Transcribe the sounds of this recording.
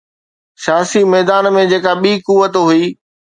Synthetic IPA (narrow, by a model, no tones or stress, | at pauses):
sɪjaːsimɛːd̪aːnmẽd͡ʑeːkaɓiːkuːʋət̪ɦuiː